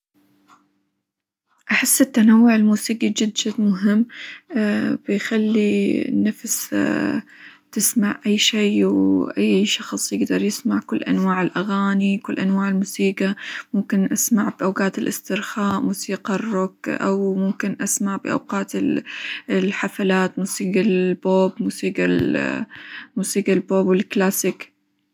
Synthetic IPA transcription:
ʔaħɪsːɪt̪ːanawːʊʕɪlmuːsiːɡid͡ʒɪd̪d͡ʒadmʊɦɪmː | b̥ɪjxalːinafs | t̪ɪsmaʕʔajːʃiːwʔajːʃɑxsˤjɪɡd̪ɑɾˤjɪsmaʕkʊlːʔa̰nwaːʕɪlʔaɣaːnikʊlːʔanwaːʕɪlmuːsiːɡamʊmkɪnʔasmaʕbʔawɡaːt̪ɪlʔɪst̪ɪɾxaːʔmuːsiːqɑrːʊkʔa̰wmʊmkɪnʔasmaʕbɪʔa̰wqaːt̪ | lħafalaːt̪muːsiːɡalboːbmuːsiːɡal | muːsiːɡalboːbwɪlklaːsɪk

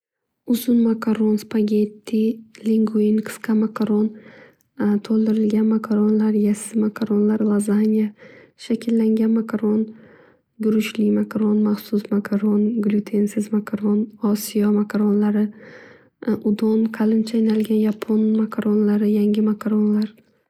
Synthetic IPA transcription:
ʊzʊnmakʰaɾonspaɡʲet̪ʰːiliŋɡuinqʰɨ̥sqʰɑmakʰaɾon | t̪ʰolˠd̪ɪɾɪlɡʲanmakʰaɾonlaɾjasɪmakʰaɾonlaɾɪlˠazanʲijaʃakʲʰɪlːaŋɡʲanmakʰaɾon | ɡʊɾʊʃlɪmakʰaɾonmaχsʊsmakʰaɾonɡlʲut̪ʰensɪzmakʰaɾonɒsijamakʰaɾonlaɾɪ | ʔʊd̪onqʰalɪnt͡ʃʰajnalɡʲanjapʰonmakʰaɾonlaɾɪjaŋɡʲɪmakʰaɾonlaɾ

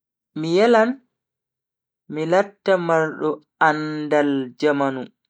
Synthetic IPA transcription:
mijɛlan | milatːamaɾɗɔ | andald͡ʒamanu

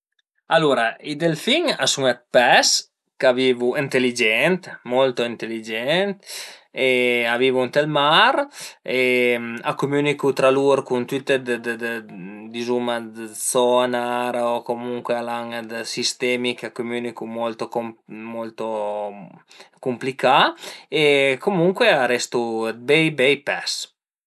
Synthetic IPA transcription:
aluɾaid̪elfiŋasuŋat̪̚pɛs | kavivuint̪elid͡ʒɛnt̪mɔlt̪oint̪elid͡ʒɛnt̪eavivunt̪elmaɾemakumynikut̪ɾaluɾkunt̪yt̪ːed̪d̪d̪d̪izumad̪sɔnaɾokomuŋkwealaŋd̪sist̪ɛmikakomynikumɔlt̪okomɔlt̪o | kumplikaekomuŋkweaɾɛst̪ubɛjbɛjpɛs

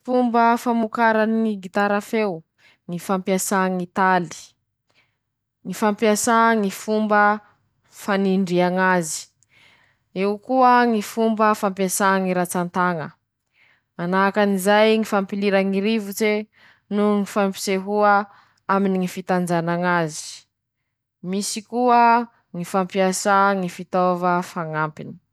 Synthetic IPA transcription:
fumbəfamukaɾaniŋiɡit̪aɾafew | ŋifampiasaŋit̪ali̥ | ŋifampiasaŋifumbə | faniɳɖ͡ʐiaŋazi̥ | eukuəŋifumbəfampjasaŋiɾat͡sant̪aŋə | anaɦakanizajŋifampiliɾaŋiɾivut͡se | nuŋifampi̥seɦuə | aminiŋifit̪and͡ʒanaŋazi̥ | misikuə | ŋifampiasaŋifit̪ovəfaŋampini̥

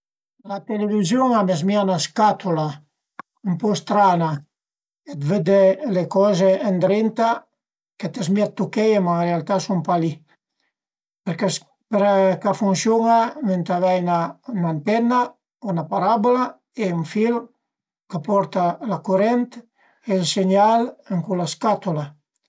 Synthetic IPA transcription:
lat̪elevizjuŋamezmianaskat̪ula | umpɔst̪ɾana | ed̪ved̪elekɔzeːnd̪ɾint̪a | ket̪ezmiat̪ːukɛjemaɾealt̪asumpali | peɾkes | peɾkafunsjuŋament̪avɛjnaunant̪ɛna | unapaɾabula | euɱfil | kapɔɾt̪alakuɾɛnt̪ | elseɲaləŋkulaskat̪ula

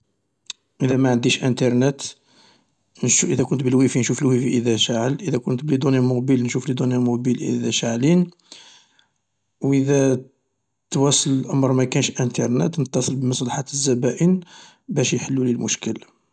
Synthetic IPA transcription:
ʔəd̪æmaʕənd̪iʃʔənt̪ɑɾˤnət̪ | nʃʔəd̪ækʊnt̪bəlwifinʃuflwifiʔəd̪æʃaʕəlʔəd̪ækʊnt̪bəlid̪unjæmʊqbəlnʃuflid̪unjæmʊqbilʔə̰d̪æʃaʕlin | wʔəd̪æ | t̪wæsˤəlʔæmɾˤmækænʃʔənt̪ɑɾˤnə̰t̪nət̪ːɑsˤəlbməsˤlɑħat̪əzːæbæʔən | bæʃjħəlːulilmʊʃkəl

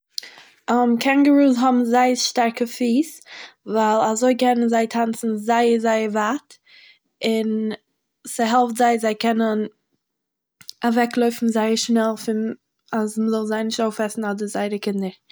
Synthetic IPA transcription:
ɔmkʰɛnɡəɾuːzɦɔbm̩zaɪəʃtaɾkəfiːsvaɪlˠazoɪkɛnənzaɪtʰant͡sn̩zaɪəzaɪəvat | ɪn | səɦɛlˠftz̥aɪzaɪkɛnən | avɛklˠoʏfn̩zaɪəɾʃnɛlˠfɪn | asməzɔlˠzaɪnɪʃtoʊfɛsn̩ɔdəzaɪɾəkɪndəɾ

